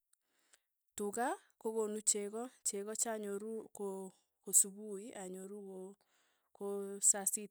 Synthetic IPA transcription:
tuɣa | koɣonut͡ʃeɣɔt͡ʃeɣɔt͡ʃaɲoɾuko | kosuβuiʔaɲoɾuɣo | kosasi

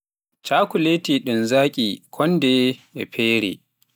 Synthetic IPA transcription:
t͡ʃaːkʊleːtiːɗɪnzaːkʲʼiːkʰɔndɛʔɛɸʰeːɾḛː

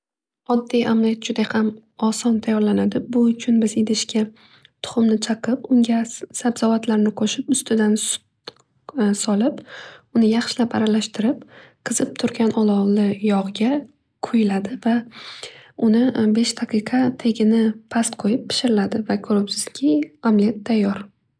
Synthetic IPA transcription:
ɒd̪ːijamlijat̪d͡ʒʊd̪ajham | ɒsɒnt̪ʰajɒɾlanad̪ɪbʊʊt͡ʃʰʊnbɪzed̪ɪʃkʲa | t̪ʰʊ̥χʊmnɪt͡ʃʰɑqʰɨpʊŋɡʲasabzɒvat̪laɾnɪqʰoʃɪpʊst̪ʰɪd̪ansʊ̥ | sɒlˠɪpʊnɪjɑχʃɪlapa̰ɾalaʃt̪ʰɪɾɪp̚qʰɨz̥ɪp̚t̪ʰʊɾɡʲanʔɒlˠɒwlɪjɒʁɡʲa | qʰʊjɪlad̪ɪva | ʊnɪbe̞ʃt̪ʰaqʰɨqʰɑt̪ʰe̞ɡʲɪnɪpʰast̪qʰojɪppʰːɪ̥ʃɪɾɪlad̪ɪvakʰɵɾʊpsɪz̥kʲʰɪamlijat̪ʰːajːɒɾ

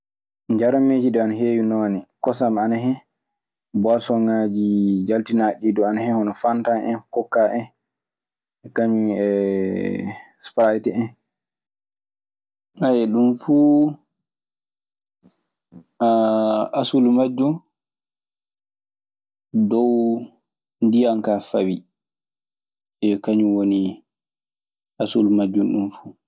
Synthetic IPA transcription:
ɲd͡ʒaɾameːd͡ʒidɔanaɦejunɔnikɔsamanaɦɛ | bɔasɔŋad͡ʒid͡ʒaltinaɗidɔanahɛhɔnɔfantaʔɛnkɔkːaʔɛn | ɛkaɲiɛ | spɾajtɛɛn | ajɛɗumfuː | aasulmad͡ʒːum | dɔw | ndijaŋkafawi | ɛkaɲuwoni | ʔasulmad͡ʒːunɗumfu

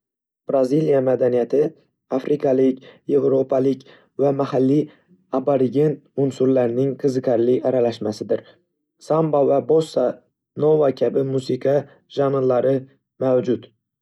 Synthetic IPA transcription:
b̥ɾazilijamad̪anijat̪ʰɪ | afɾʔɪkʰalɪkʲje̞vɾo̞pʰalɪkʲ | vamahalːi | abaɾɪɡʲent̪ʊnsʊɾlaɾnɪŋqʰɨzɨkʰaɾlɪaɾalaʃmasɪd̪ɪɾ | sambavabosːa | novakʲʰabɪmusɪqʰɑ | ʒamɪnlaɾɪ | mawd͡ʒʊt̪

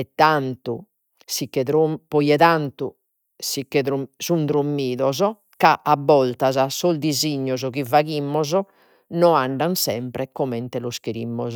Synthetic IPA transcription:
ɛt̪ːant̪ṵ | sikːɛðɾompɔjɛðant̪u | sikːɛðɾusund̪ɾomːiːðɔzɔ | kaʔabːɔlt̪azasɔzd̪iziɲːɔzɔkivaɣimːɔzɔ | nɔaɳɖansɛmpɾɛkɔmɛnt̪ɛlɔskɾimːɔz

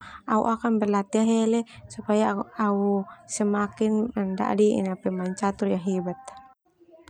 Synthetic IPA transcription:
aṵʔakanbɛrlat̪iaɦɛlɛsupajaausɛmakinmɛnda̰ʔdiḭnapɛmaɲt͡ʃat̪urjaɦibat̪̚

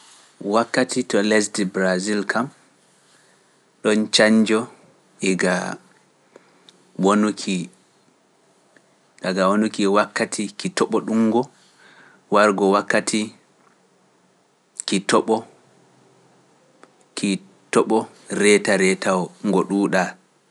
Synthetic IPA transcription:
wakːatitɔlɛs̬dibɾazilkʰam | ɗɔnt͡ʃaɲd͡ʒɔ | ʔiɡa | wonukʰi | ɗaɡawonukiwakːatʰikitɔɓɔɗuŋɡɔ | waɾɡɔwakːatʰi | kitɔɓɔ | ki | tɔɓɔ | ɾɛtaɾɛtawɔŋɡɔɗuːɗa

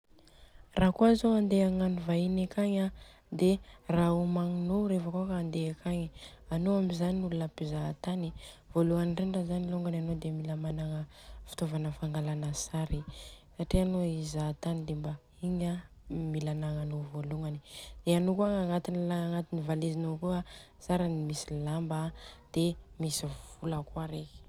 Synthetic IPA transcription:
rakuazoand̪eaŋanuvainekaɲa | d̪eraumaŋinoɾefəkuakaːnd̪eakʰaɲianoamizaniulunəpizat̪ani | v̥oluŋaniɳɖ͡ʐenɖ͡ʐazaniluŋɡananod̪emilamanaŋəfi̥t̪ovanəfaŋɡalanəsaɾisaʈ͡ʂianoizat̪anid̪emba | iɲamilanaŋanovoluŋɡanid̪̥eanokuaŋaŋat̪inilaŋaŋat̪inivalezinokua | saɾanimisilambad̪̥emisiv̥uləkwaɾeki̥

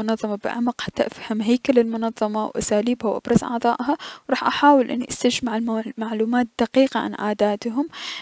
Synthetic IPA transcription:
ʊnɑðˤːɑmɑbɪ̰ʕa̰maqħat̪ːaʔafhamɦajkalɪlmʊnɑðˤːɑmɑwʔa̰saːliːbhawʔa̰b̥ɾˤɑzʔɑ̰ʕt̪ˤɑ̰ːʔɦawɾˤɑːħʔaħaːwɪlʔɪ̰nːiʔast̪ad͡ʒmaʕɪlmaʕluːmaːt̪̚d̪̥aqiːqaʕa̰nʔaːd̪aːt̪ɦʊm

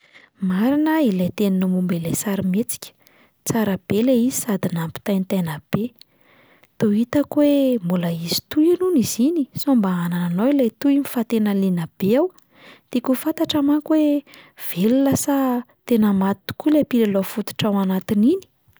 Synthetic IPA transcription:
maɾinəilejt̪eninumumbilejsaɾimet͡si̥kʲə̥ | t͡saɾəb̥eleizi̥sad̪inampi̥t̪ajnit̪ejnəb̥e | t̪oit̪əkwembuləizi̥t̪ujinunizinisombaanananowilajt̪uimifat̪enalinab̥eaw | t̪ikufat̪aʈ͡ʂamakwev̥elulasa | t̪enəmat̪u̥kulepilelofut̪u̥ʈ͡ʂawanat̪inini̥

